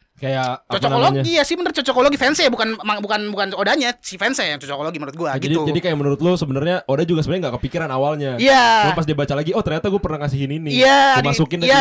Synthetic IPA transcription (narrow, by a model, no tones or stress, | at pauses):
kajat͡ʃɔt͡ʃɔnakoloɲaɡijasɪhmənəɾʊt̪̚t͡ʃɔt͡ʃɔkoloɡifɛnsejabukanmaŋbukanbukanodaɲasifɛnsɛjaŋt͡ʃɔt͡ʃɔkoloɡimənuɾʊt̪̚ɡuaadid͡ʒadikajaʔmənuɾʊt̪̚losəbənərɲaʔodad͡ʒuɡasəbənɲaŋɡakəpikiɾanawalɲajaɡapas̬diabat͡ʃalaɡiɔht̪ərɲat̪aɡuapərnaŋasiɦɪninijamaukɪndaja